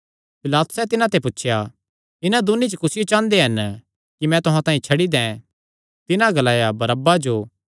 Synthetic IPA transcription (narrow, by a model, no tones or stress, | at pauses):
pɪlaːt̪ʊ̥sɛt̪ɪnãt̪epʊtːʃʰja | ɪnãd̪ʊnːit͡ʃəkʊsɪjot͡ʃãːnd̪eɦɐn | kimɛ̃t̪ʊɦãt̪ãːĩt͡ʃʰɐɽid̪ɛ̃ | t̪ɪnãɡɐlaːjabɐɾɐbad͡ʒoː